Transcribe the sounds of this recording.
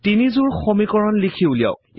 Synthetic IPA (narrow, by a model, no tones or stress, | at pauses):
tinizuɹxomikɔɹɔnlikʰiulija̰ʊk